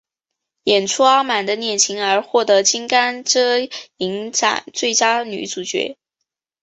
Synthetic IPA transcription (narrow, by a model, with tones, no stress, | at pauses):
jɛ˨˩nʈ͡ʂʰu˥ɑ˥ma˨˩nd̪ə˦njɛ˥˩nt͡ɕʰi˧˥ŋə˞˧˥xwɔ˥˩t̪ɤ˧˥t͡ɕi˥ŋka˥nʈ͡ʂɤ˥i˧˥ŋʈ͡ʂa̰˨˩nt͡swe˥˩ɪt͡ɕja˥ny̰˧˥t͡su˨˩t͡ɕɥɛ̰˧˥